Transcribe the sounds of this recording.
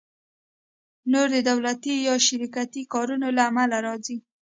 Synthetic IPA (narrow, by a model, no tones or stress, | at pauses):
noɾd̪əd̪awlat̪ijɑʃɪɾikat̪ikɑɾunolaːmalaɾɑd͡zi